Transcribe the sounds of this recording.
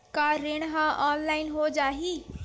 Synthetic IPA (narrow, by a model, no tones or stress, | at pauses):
kaɾeɽ̃ɦãʔɔːnlaːɪnɦod͡ʒaːɦiː